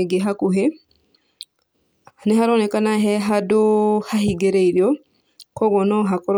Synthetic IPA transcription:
eɡeɦakuɦe | neɦaɾɔnɛkanaɦɛɦadohahiɡeɾeiɾjɔ | kɔɣɔnɔɦakɔɾɔ

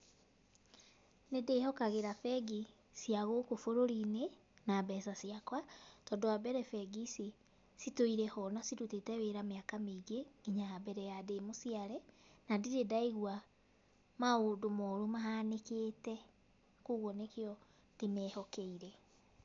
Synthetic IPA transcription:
nedeːhɔkaɣeɾafɛɡi | siaɣokofoɾoɾine | nabɛsasiakwatɔdoabɛɾɛfɛɡisi | sitoiɾɛhɔnasidutetɛweɾameakameɡeɡiɲaabɛɾɛjademosiaɾɛnadiɾedaiɣwa | maodomɔɾomaɦanekeːtɛ | koɣɔnekeɔ | d̥emɛhɔkɛiɾɛ

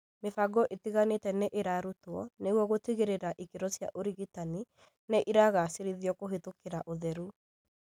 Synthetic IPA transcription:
mefaɡɔʔetiɣanetɛneʔeɾaɾutwɔneɣwɔɣotiɣeɾeɾaʔikeɾɔsja̰ʔoɾiɣitani | neʔiɾaɣaːseɾiðiɔkoɦetokeɾaʔoðɛɾu

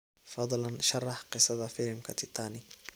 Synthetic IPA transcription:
fɑd̪ˤlɐnʃɑrːɑħqɪsɐðɐfɪlmkʰɐt̪ʰɪt̪ʰɑːnɪ

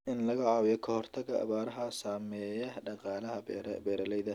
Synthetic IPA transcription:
ʔɪnlɐɣɐʕɑːwɪjɔkʰɐhɔrt̪ʰɐɡɐʔɐ̰βaːɾɐɦɐsaːmɛːjɐɖɑqɑːlɐɦɐ̰bɛːɾɐlɛjðɐ

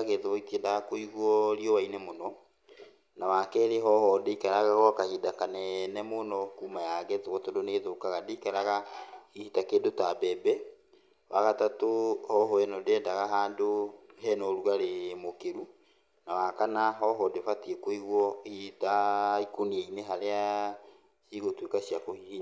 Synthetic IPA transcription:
aɣeðoitiɛndaɣakoiɣwɔɾiɔwainɛmonɔ | nawakɛɾeɦɔhɔdeikaɾaɣaɣɔkahidakanɛnɛmonɔkumajaɡɛtoɣɔtondoneðokaɣadeikaɾaɣaihitakendotabɛbɛ | waɣatatohɔɦɔɛnɔdɛndaɣaɦaːndoɦɛnɔɾwaɾemokeɾu | nawakanaɦɔɦɔdefatiekohiɣwɔitaikoniɛineɦaɾea | siɣotwekaɕiakohihi

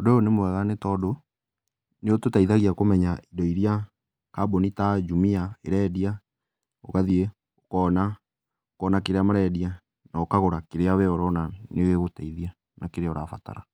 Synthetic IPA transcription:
ɔdoonemwɛɣanetɔːdo | neototaiðaɣiakomɛɲaidɔiɾia | kabonitad͡ʒumiaeɾɛdia | oɣaðie | okɔːna | okɔnakeɾeamaɾɛdia | naokaɣoɾakeɾeaβeɔɾɔnaneweɣotaiðia | nakeɾeɔɾafa̰ta̰ɾa

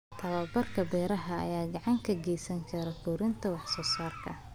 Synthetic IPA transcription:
t̪ʰɐβɐbɐrkʰɐbɛːɾɐɦɐɐ̰jaːɡɑʕɑŋkʰɐɡɛjsɐŋkʰɐɾɐfuːɾɪnt̪ʰɐwɑħsɔːsaːrkʰɐ

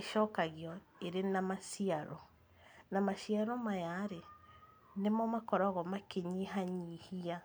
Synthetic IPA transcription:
eʃɔkaɣjɔ | eɾenamaʃiaɾɔ | namaʃiaɾɔmajaɾe | nemɔmakɔɾɔɣɔmakeɲiɦaɲihia

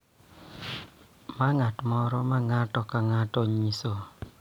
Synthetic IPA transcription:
maŋatmɔɾɔmaŋatɔkaŋatɔɲisɔ

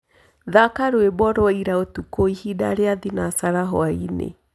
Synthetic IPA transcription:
ðakaɾoebɔɾoaiɾaotukoihida̰ɾeaðinasaɾaɦɔ̰ainḛ

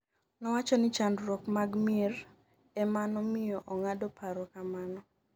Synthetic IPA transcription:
nɔwat͡ʃɔnɪt͡ʃandɾɔkmaɡmɪr | ɛmanɔmɪjɔʔɔŋadɔpʰaɾɔkamanɔ

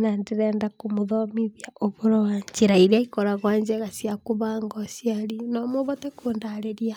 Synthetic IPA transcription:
nandeɾɛːndakomoðɔmiðjaoβoɾɔwaɲt͡ʃeɾaiɾiaikɔɾaɣwaːɲd͡ʒɛɣasiakoβaːŋɡɔsiaɾinɔmoβɔtɛkoːndaɾeɾia

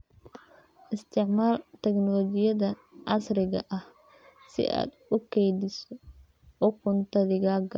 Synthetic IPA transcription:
ʔɪst̪ʰɪʕmaːlt̪ʰɛknɔlɔd͡ʒɪjɐðɐ | ʔɑsrɪɣɐʔɐh | sɪ̰ʔa̰ːd̪ʊkʰɛjd̪ɪsɔ | ɔkʰʊnt̪ʰɐðɪɣaːɡɐ

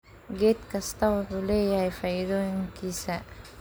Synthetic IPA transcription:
ɡet̪̚kast̪awt̪ulejajfajdoŋkisa

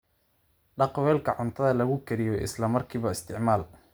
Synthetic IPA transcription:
ɖɑqwɛːlkʰɐʕʊnt̪ʰɐðɐlɐɣʊkʰɛɾɪjɔʔɪ̰slɐmɐrkʰiːβɐɪst̪ʰɪʕmaːl

